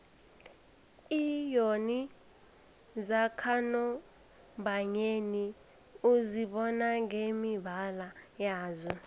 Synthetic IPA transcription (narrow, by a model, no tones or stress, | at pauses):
ijoni | zakʰanɔ | mbʱaɲeni | uziɓɔnaŋemibʱalajaːzɔ